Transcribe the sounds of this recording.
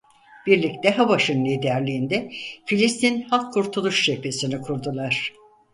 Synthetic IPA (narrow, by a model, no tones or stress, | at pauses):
b̥iɾlʲic̚t̪ɛɦabaʃɯnːiːd̪æɾlʲiːnd̪ɛfilʲist̪ʰinhakʰːuɾt̪ʰulˠuʃʃepʰe̞sinikʰuɾd̪ulˠaɾ̝̥